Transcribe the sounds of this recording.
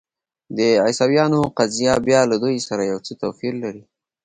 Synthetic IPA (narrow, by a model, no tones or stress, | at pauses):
d̪əajsɑwjɑnoqazijabjɑlad̪ujsaɾajawt͡sət̪afiɾlaɾi